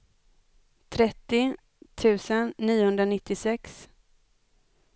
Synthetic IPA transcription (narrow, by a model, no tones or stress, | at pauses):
t̪ʰɾɛt̪ːɪ | t̪ʰʉ̟ːsənːiːəhɵnd̪ɾanɪt̪ːɪsɛks